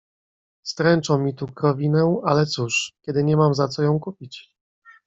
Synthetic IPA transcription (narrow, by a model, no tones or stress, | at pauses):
st̪ɾɛnt͡ʂɔ̃wmːʲit̪ukɾɔvʲinɛalɛt̪suʂkʲɛd̪ɘɲɛmamzat̪sɔjɔ̃w̃kupʲit͡ɕ